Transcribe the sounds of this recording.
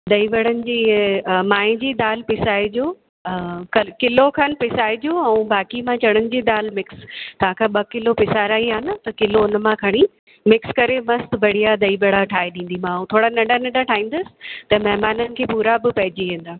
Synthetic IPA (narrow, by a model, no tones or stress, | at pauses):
ɗ̪ɐibɐɽənɪ̆d͡ʑiːmaːɪ̃d͡ʑiːɗ̪aːlpɪsaːid͡ʑoː | kɐkɪlokʰɐnpɪsaːid͡ʑoːɛ̃ũbaːkimãt͡ɕɐɽ̃ənɪ̆d͡ʑiːɗ̪aːlmɪkst̪ɐʋ̤ãkʰãːɓɐkɪlopɪsaːɾaːiɦaːnɐt̪ɐkɪloʊnmãkʰɐɽ̃i | mɪkskɐɾemɐst̪bɐɽ̤ijad̪ɐibɐɽaʈʰaːɦeɗĩːn̆d̪imãũt̪ʰoːɽanɐ̃ɳɖanɐ̃ɳɖaʈʰaːĩːn̆d̪əsɪ̥̆t̪ɐmɐɦmaːnənɪ̆kʰeːpuːɾabɪpɐɦɪd͡ʑiʋẽːn̆d̪aː